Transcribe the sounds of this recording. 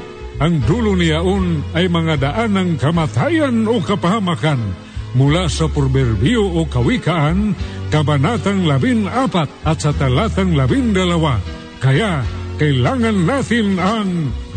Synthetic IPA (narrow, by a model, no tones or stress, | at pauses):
ʔaŋd̪ulʊniaʔʊnajmaŋad̪aʔanaŋkamat̪ajanokapahamakan | mʊlasapɔɾbɛrbioʔokawikaʔankabanat̪aŋlabinapat̪̚at̪sat̪alat̪aŋlabind̪alawa | kajaʔkailaŋanːat̪ɪnaŋ